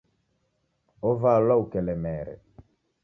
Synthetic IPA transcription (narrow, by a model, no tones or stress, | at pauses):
ɔvalwaukɛlɛmɛːɾɛ̰